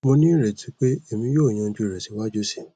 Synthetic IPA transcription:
mo˧nĩ˦ɾɛ˨tʰi˨˦k͡pe˦e˦˨mĩ˧˦jo˦˨j̃ã˨˧d͡ʒu˧˨ɾɛ˨si˨˦wa˦d͡ʒu˦si̥˨

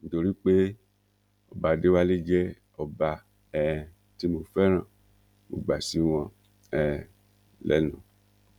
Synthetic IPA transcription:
n̩˨to˧ɾi˦k͡pe˦ | ɔ̰˨ba˨de˦wa˦le˦d͡ʒɛ˦ | ɔ˨ba˧ | ɛ˨ | ti˦mo˧˨fɛ˦ɾ̃ã˦˨ | mo̰˨ɡ͡ba˨si˨˦w̃ɔ̃˧ | ɛ˨ | lɛ̰˦nũ˨

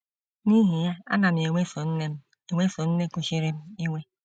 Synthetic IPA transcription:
ni˦ɦi˨ja˦a̰˦na˨m˨e˨ŋʷe˦fo˨n̩˦ne˦m̩˦ | e˨wʷe˦fo˨n̩˦ne˦ko˨ʃi˦ɾe˦m̩˦i˦ŋʷe˦

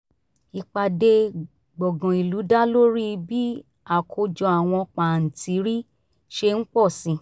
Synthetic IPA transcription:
i˧k͡pa˧de˧ | ɡ͡bɔ˨ɡɔ̃˨i˨lu˨˦da˦lo˦ɾi˦bi˦ | a˨kʰo˧d͡ʒɔ˧a˨w̃ɔ̃˧k͡pa˨n̩˨tʰi˨˦ɾi˦ | ʃe˧n̩˦k͡pɔ˦˨sĩ˨˧˦

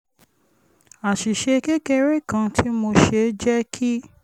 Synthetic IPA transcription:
a˨ʃi˨ʃe˧ke˦ke˧ɾe˦˨kã˧tʰi˦mo˧ʃe˧˦d͡ʒɛ˦kʰi˦

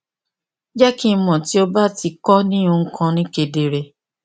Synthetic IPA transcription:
d͡ʒɛ˦kĩ˦˧˦mɔ̃˨ti˨˦o˦ba˦ti˧kɔ˦nĩ˦ũ˧ŋ̩˦kʰã˧nĩ˦ke˧de˧ɾɛ˧

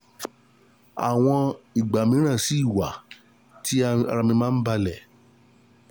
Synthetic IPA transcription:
a̰˨w̃ɔ̃˧i˨ɡ͡ba˨mĩ˨˦ɾ̃ã˦˨si˨˦i˦˨wa˨˦ | ti˦a˧ɾa˧mĩ˧mãː˦n̩˦ba˧lɛ˨

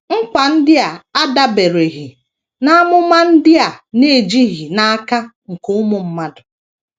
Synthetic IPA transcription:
ŋ̩˦kʷa˨n̩˦dɪ˦a˨a˦da˦be˨ɾe˨ɦi˨ | na˦a˦mʊ˦ma˦n̩˦dɪ˦a˨ne˦˨d͡ʒi˦ɣi˨na˦a˦ka˦ŋ̩˨kʊ˦ʊ˦mʊ˨m̩˦ma˦dʊ˨

